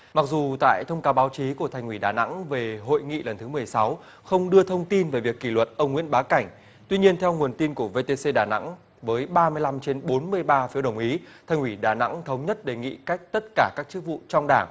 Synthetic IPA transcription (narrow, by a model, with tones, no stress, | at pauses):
ma˨˩k̚zu˨˩t̪a̰ː˧˨jt̪ʰə˧wŋ͡mkaː˨˦wɓaː˨˦wt͡ɕi˨˦ku˧˩ət̪ʰa˧˩jŋ̟wi˧˩ɗaː˨˩na̰˧˥ŋve˨˩ɦo̰˧˨jŋḭ˧˨lə˨˩nt̪ʰɨ˨˦mɨ˨˩əjsa˨˦w | xə˧wŋ͡mɗɨ˧ət̪ʰə˧wŋ͡mt̪i˧nve˨˩vi˨˩əkːi˧˩lwə˨˩t̚ʔə˧wŋ͡mŋḭ˧˥ənɓaː˨˦ka˧˩jŋ̟ | t̪wi˧ɲi˧ənt̪ʰɛ˧wŋu˨˩ənt̪i˧nku˧˩əve˧t̪e˧se˧ɗaː˧˩na̰˧˥ŋ | vəː˨˦jɓaː˧mɨ˧əjla˧mt͡ɕe˧nɓo˨˦nmɨ˧əjɓaː˧fi˨˦əwɗə˨˧˩wŋ͡mʔi˨˦t̪ʰa˧˩jŋ̟hwi˧˩ɗaː˨˩na̰˧˥ŋt̪ʰə˨˦wŋ͡mɲə˦˥t̚ɗe˨˩ŋḭ˧˨ka˦˥jk̟̚t̪ə˦˥t̚kaː˧˩kaː˦˥k̚t͡ɕɨ˦˥k̚vṵ˧˨t͡ɕɔ˧wŋ͡mɗaː˧˩ŋ